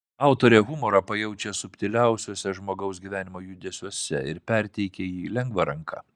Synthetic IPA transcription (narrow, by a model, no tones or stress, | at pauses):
ɑˑʊt̪oːɾʲɛːɣʊmoːɾɐpɐjɛʊt͡ʃʲɛsʊpʲt̪ʲɪlʲæˑʊsʲuːsʲɛʒmoːɡɐʊsɡʲiʋʲæːnʲɪmoːjud̪ʲeːsʲuɔsʲɛ̰ɪɾpʲɛɾʲt̪ʲɛɪkʲɛiːlʲɛŋɡʋɐɾɐŋkʰɑ̰ː